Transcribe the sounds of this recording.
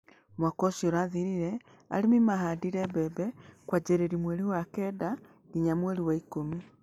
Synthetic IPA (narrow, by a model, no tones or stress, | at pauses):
mwakɔsjoɾaðiɾiɾɛ | a̰ɾemimaɦadiɾɛbɛbɛkwad͡ʒɛɾɛɾimweɾiwakɛda | diɲamweɾiwaikomi